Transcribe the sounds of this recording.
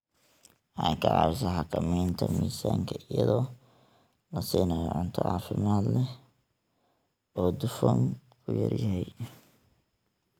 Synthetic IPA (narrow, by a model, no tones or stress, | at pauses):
ʔɑjkʰɐʕɑsɐħɑkʰɐmɛːnt̪ʰɐmiːsaːŋkʰɐʔɪjɐðɔː | lɐsiːnɐːjɔʕʊnt̪ʰɔʕɑːfɪmaːd̪lɛ | ɔːd̪ʊfɔmkʰʊjɐ̰rjɐɦɛj